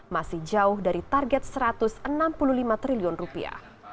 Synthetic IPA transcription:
masɪhd͡ʒaʊhdaɾit̪arɡɛt̪̚səɾat̪ʊsənampululimat̪ɾiliʊnrupḭa̰h

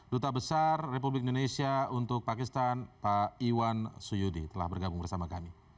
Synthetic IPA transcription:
dot̪abəsarːep̬ublɪk̚indonesiaunt̪ʊk̚pakist̪anpaiwansujudḭt̪əla̰hbərɡabuŋbərsamakami

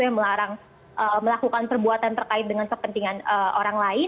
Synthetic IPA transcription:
ujaŋməlaɾaŋ | ʔəməlakukanpərbuat̪ant̪ərkaɪt̪̚dəŋankəpənt̪iŋanəʔoɾaŋlaɪ

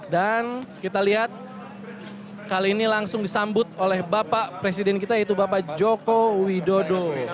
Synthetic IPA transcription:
dankit̪aliɦat̪̚ | kaliːnilaŋsʊŋdisambʊt̪̚olɛhbapaʔpɾesidɛnkit̪ait̪̬ubapaʔd͡ʒokowidodo

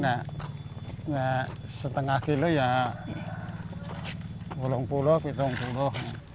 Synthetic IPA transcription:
na | nasət̪əŋahkiloja | wolɔŋpulɔhpit̪ɔŋpulɔhna

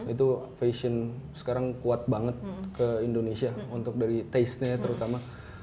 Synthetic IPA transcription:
it̪ufesənsə̥kaɾaŋkuat̪̚baŋət̪̚kəindonesiaunt̪ʊk̚daɾit̪asɲajat̪əɾut̪ama

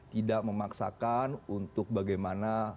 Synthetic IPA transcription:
t̪idaʔ̚məmaksa̰kanunt̪ʊk̚baɡajmana

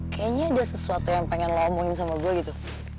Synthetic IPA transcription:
kajaɲaudasəsuat̪ujaŋpaŋɛnlamuŋɪns̬amaɡuaɡit̪u

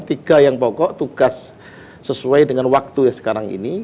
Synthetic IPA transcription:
t̪iɡ̥ajaŋpɔkɔʔt̪uɡ̥asː | əsuajdəŋanwak̚t̪ujasə̥kaɾaŋḭni

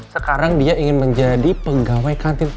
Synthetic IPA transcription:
səkaɾaŋdiaʔiŋɪnməɲd͡ʒadipəɡawajkant̪ɪn

